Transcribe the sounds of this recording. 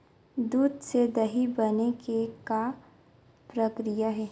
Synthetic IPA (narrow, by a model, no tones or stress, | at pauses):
d̪uːd̪sed̪ɐɦibɐnekeka | pɾəkɾijaɦɛː